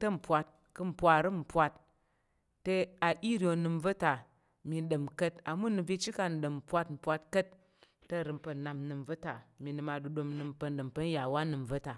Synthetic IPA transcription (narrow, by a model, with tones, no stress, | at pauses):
tɐ˦m̩˨pʷa˧t̚ | kɨ˧m̩˨pʷa˨ɾɨ˦m̩˨pʷa˧tː | e˧a˨ʔi˦ɾʲi˨o˧nɨ˧m̩˦və˦ta˨ | mi˧n˦ɗɨ˨mkə˦ta˨mu˦nɨ˧vi˦t͡ʃi˦ka˧n˨ɗɨ˨m̩˨pʷa˧tm̩˨pʷa˧t̚kə˦t̚ː | ɐ˦˨ɾɨ˧mpə˧˨na˧mnɨ˧m˦və˦ta˨mi˧nɨ˧ma˧du˧ɗo˧mnɨ˧mpə˧n˦ɗɨ˨mpə˦n̩˦ja˨wa˦nɨ˨m˨və˦ta˨